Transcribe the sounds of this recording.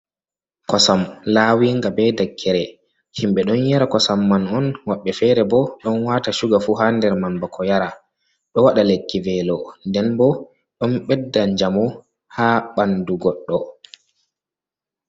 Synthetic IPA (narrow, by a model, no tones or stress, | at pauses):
kɔsamlaːwiːŋɡabɛdakʰːɛɾɛ | himɓɛɗɔnjaɾakɔsamːanɔnwaɓːɛfɛːɾɛbɔɗɔnwaːtaʃuɡafuːɦandɛɾmambakʰɔjaɾa | ɗɔwaɗalekːivɛlɔndɛnbɔ | ɗɔnɓɛdːaɲd͡ʒamɔ | haːɓanduɡɔɗːɔ